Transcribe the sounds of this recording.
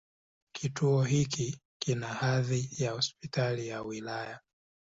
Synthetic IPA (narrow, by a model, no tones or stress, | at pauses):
kʰituɔɦikikinahaðijahɔspitalijawilaja